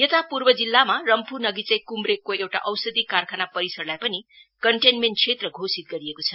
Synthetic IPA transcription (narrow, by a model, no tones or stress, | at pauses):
jʌt̪apurbʌd͡zilːamarʌmpʰunʌɡit͡sʌ̃j̃kumrekːoewʈa̰ʔʌwsʌd̪ikarkʰanapʌɾisʌrlajpʌni | kʌɳʈenmenʈ̚t͡sʰet̪rʌɡʱosit̪̚ɡʌɾiekot͡sʰʌ